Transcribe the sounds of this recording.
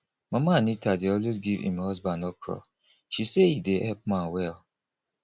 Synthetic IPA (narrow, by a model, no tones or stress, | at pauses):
mamanitadeɔlwezɡivḭ̃mhɔzbãndɔkʰɔ̰ | ʃiseideʔɛlp̚mãnwɛl